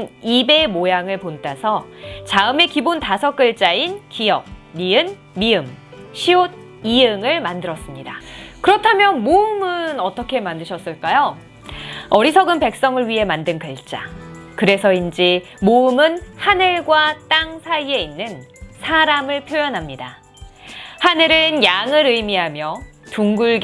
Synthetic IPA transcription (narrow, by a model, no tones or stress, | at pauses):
nibe̞mojaŋɯɭpontasʰʌt͡ɕaɯme̞kibontasʰʌk͈ɯɭt͡ɕ͈ainkijʌk̚miɯnː | iɯmɕʰiod̚ | ijɯŋɯɭmandɯɾʌs͈ɯmɲidakɯɾʌtʰamjʌnmoɯmɯnʌt͈ʌkʰe̞mandɯɕʰʌs͈ɯɭk͈ajo | ʌɾisʰʌɡɯnpe̞k̚s͈ʌŋɯɭɥiɦe̞mandɯnkɯɭt͡ɕ͈a̰kɯɾe̞sʰʌind͡ʑi | moɯmɯnhanɯɭɡwat͈aŋsʰaie̞inːɯnsʰaɾamɯɭpʰjojʌnɦamɲida | hanɯɾɯnjaŋɯɾɯjmiɦamjʌtuŋɡuɭɡ